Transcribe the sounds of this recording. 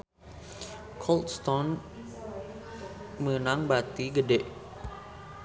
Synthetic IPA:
kʰɔlt̪st̪ɔn | mənaŋbat̪iɡədeʔ

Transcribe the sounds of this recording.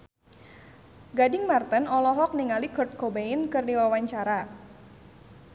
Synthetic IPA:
ɡadɪŋmart̪ənɔlɔɦɔk̚niŋalikɔrt̪̚kobeinkɨrdiwawaɲt͡ʃaɾa

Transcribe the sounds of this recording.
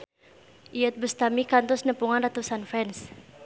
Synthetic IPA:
ʔiət̪̚bust̪amikant̪ɔsnəpuŋanrat̪usanfɛns

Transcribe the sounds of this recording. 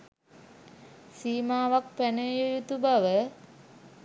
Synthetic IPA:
siːmaːʋak̚pænəjujut̪ubaʋə

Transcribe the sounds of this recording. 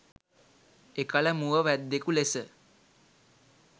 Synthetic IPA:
ekələmuʋəʋæd̪ːekulesə

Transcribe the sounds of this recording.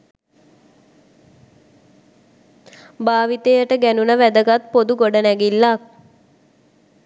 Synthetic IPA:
baːʋit̪ejəʈəɡænunəʋæd̪əɡat̪̚pod̪uɡoɖənæɡilːak̚

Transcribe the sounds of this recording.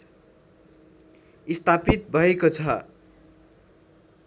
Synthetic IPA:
ist̪ʰapit̪̚bʱʌekot͡sʰʌ

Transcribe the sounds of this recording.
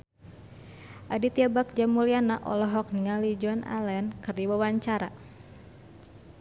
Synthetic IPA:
ʔadit̪iabak̚d͡ʒamulianaʔɔ̰lɔɦɔk̚niŋalid͡ʒɔna̰lɛnkɨrdiwawaɲt͡ʃaɾa

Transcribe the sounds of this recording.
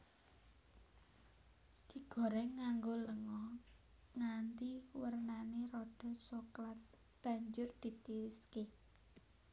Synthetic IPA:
d̪̥i̤ɡ̥ɔ̤ɾɛŋaŋɡoləŋɔ | ŋant̪iwərnaneɾɔɖ̥ɔ̤soklat̪̚ | b̥a̤ɲd͡ʒʊrd̪̥i̤t̪iɾɪske

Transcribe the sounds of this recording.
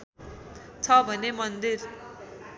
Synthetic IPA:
t͡sʰʌbʱʌnemʌnd̪ir

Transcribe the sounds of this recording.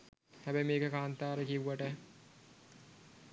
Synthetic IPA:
hæbɛjmeːkəkaːnt̪aːɾəkiʋuʋɐʈə

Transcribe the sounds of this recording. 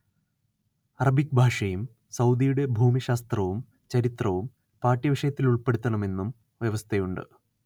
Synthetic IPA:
ɐrɐbʱikbʱaːʂɐjum | sɐwd̪ijuɽe̞bʱuːmiɕaːst̪rɐʋum | t͡ɕɐɾit̪rɐʋum | paːʈːiʋiʂɐjɐt̪ːiluɭpe̞ɽut̪ːɐɳɐme̞nːum | ʋjɐʋɐst̪ʰejuɳɖɨ̰

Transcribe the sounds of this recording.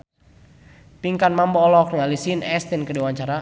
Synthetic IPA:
piŋkanmambɔːlɔk̚ŋalisinɛst̪ɛnkədiwaɲt͡ʃaɾa

